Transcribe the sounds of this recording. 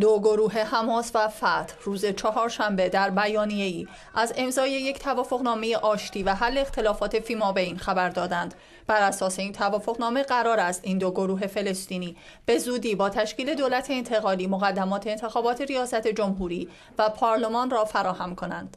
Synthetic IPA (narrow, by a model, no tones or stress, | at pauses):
d̪oɡoɾuːɦe̞hæmɒːsvæfæt̪ʰruːze̞t͡ʃʰɒɦɒːɾʃæmbe̞d̪æɾbæjɒːnije̞iː | ʔæze̞mzɒːje̞je̞cʰt̪ʰævɒːfo̞ɣnɒːme̞je̞ʔɒːʃt̪ʰiːvæɦælːe̞ːxt̪ʰe̞lɒːfɒːt̪ʰe̞fimɒːbeiːnxæbæɾd̪ɒːd̪ænd̪̥ | b̥æɾæsɒːse̞iːnt̪ʰævɒːfo̞ɣnɒːme̞ɢæɾɒːɾæst̪iːnd̪oɡo̞ɾuːɦe̞fe̞le̞st̪iːniː | b̥e̞zuːd̪iːbɒːt̪ʰæʃciːle̞d̪oːlæt̪ʰe̞ːnt̪ʰe̞ɣɒːliːmoɣæd̪ːæmɒːt̪ʰe̞ːnt̪ʰe̞xɒːbɒːt̪ʰe̞ɾijɒːsæt̪ʰe̞d͡ʒo̞mɦuːɾiː | væpʰɒːɾle̞mɒːnrɒːfæɾɒːhæmkʰo̞nænd̪̥